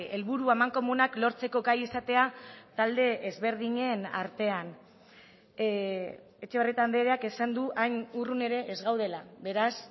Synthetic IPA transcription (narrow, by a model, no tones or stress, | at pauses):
e̞lβuɾuamaŋko̞munaklo̞ɾt͡se̞ko̞ɡajisat̪e̞at̪ald̪e̞ezβe̞ɾðiɲe̞naɾt̪e̞an | e̞t͡ʃe̞βrit̪and̪eɾeakesand̪uʔajnurune̞ɾe̞ʔːzɣawð̞e̞laβe̞ɾas